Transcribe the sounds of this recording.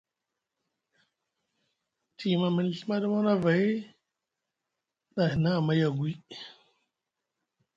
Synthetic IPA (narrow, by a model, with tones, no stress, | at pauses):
tʰi˨ma˨mə˨n˨ɬi˦ma˦ɗa˦ma˦na˦va˨i˦ | ɗa˨hi˨na˦˨ma˦ja˨ɡwi˦